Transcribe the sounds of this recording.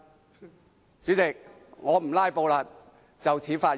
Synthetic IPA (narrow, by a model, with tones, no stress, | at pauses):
t͡ʃy˨˥t͡sɪ˨k̚ | ŋɔː˨˧m̩˨˩laː˥jpo˧wlaː˧ | t͡sɐ˨wt͡sʰiː˨˥faː˧